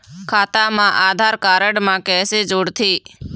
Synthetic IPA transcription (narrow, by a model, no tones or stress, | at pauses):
kʰaːt̪amãʔaːd̪ʱaːɾkaːɾəɽmãːkɛːsed͡ʒoːɽt̪ʰiː